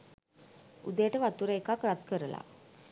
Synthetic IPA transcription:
ud̪əjəʈəʋat̪uɾəekakrat̪kəɾəla̰

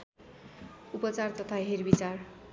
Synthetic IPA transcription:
upʌt͡sart̪ʌt̪ʰaɦerbit͡sar

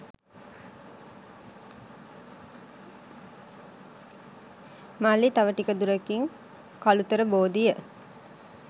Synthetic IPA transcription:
malːit̪aʋəʈikəd̪uɾəkiŋ | kalut̪əɾəboːd̪ijə

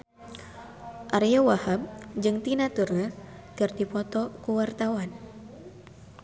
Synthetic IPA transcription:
ʔarijawahab̚d͡ʒɨŋt̪inat̪urŋakɨrdipɔt̪ɔkuwart̪awan

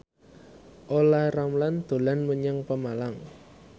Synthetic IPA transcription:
ʔolaramland̪̥o̤lanməɲaŋpəmalaŋ

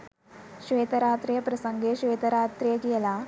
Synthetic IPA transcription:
ʃʋeːt̪ɐɾaːt̪ɾijɐpɾɐsɐŋɡeːʃʋeːt̪ɐɾaːt̪ɾijɐɡijɐlaː

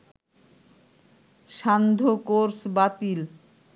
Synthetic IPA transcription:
ʃand̪ʱokoɾsbat̪il

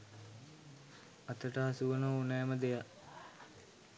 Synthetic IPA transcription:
ɐt̪əʈəɦasuʋənounɛːməd̪eja

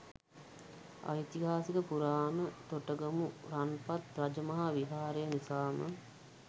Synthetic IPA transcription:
a̰jt̪iɦaːsikəpuɾaːnət̪oʈəɡəmuɾanpat̪ɾad͡ʒəmɐɦaʋiɦaːɾəjənisaːmə̰

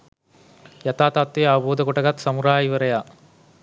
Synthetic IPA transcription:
jɐt̪aːt̪aːt̪ːeaːboːd̪ɐkɔʈɐɣɐt̪sɐmuɾaːjiʋɐɾɐjaː

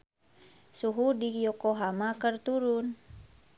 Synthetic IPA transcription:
suɦudijɔkoɦamakərt̪uɾun

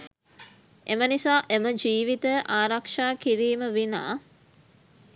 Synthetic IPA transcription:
ʔemənisaːʔeməd͡ʒiːʋit̪əʔaːɾakʂaːkiɾiːməʋina̰ː

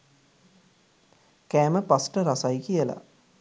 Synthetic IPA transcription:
kæːməpasʈəɾasajkijəla̰

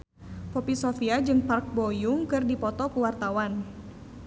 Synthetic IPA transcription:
pɔpisofiad͡ʒɨŋpark̚bojʊŋkɨrdipɔt̪ɔkuwart̪awan

